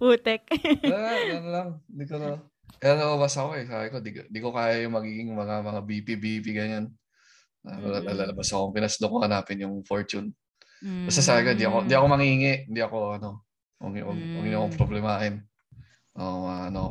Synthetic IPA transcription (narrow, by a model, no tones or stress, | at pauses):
puːt̪ɛk̚ː | nolaŋnd̪ɪkono | ʔɛlalɐlɐbasɐkoɛsaːbɪkod̪iɡnd̪ikokaːjajʊŋmɐɡiːɡɪŋmɐŋamɐŋabipibipiɡɐɲan | nolalalalɐbasɐkoŋpɪnasd̪okohɐnaːpɪnjʊŋfoɹt͡ʃʊn | bɐst̪asaːbɪkoɪnd̪iʔɐkoɪnd̪iʔɐko̞mɐŋiŋɛʔɪnd̪iʔɐko̞ɐno̞ | ʔo̰ʔo̰ʊŋɪɲoɐkoŋpɾoblɛmaʔɪn | ʔoʔaʔɐno